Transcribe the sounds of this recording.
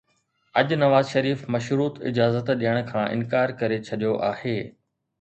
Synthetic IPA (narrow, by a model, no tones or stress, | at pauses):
ɐʄnɐʋaːzʃɐɾiːfmɐʃɾuːt̪ɪ̰d͡ʑaːzət̪ɗijəɽ̃kʰãːʔɪ̰nkaːɾkɐɾet͡ɕʰɐɗijoʔaːheː